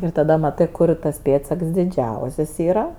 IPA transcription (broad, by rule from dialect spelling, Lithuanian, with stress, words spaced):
ɪr tɐˈdɐ mɐˈtɜ ˈkʊr tɐs ˈpʲeːtsɐks dʲɪˈd͡ʒʲɛʊsʲɛs ˈiːrɐ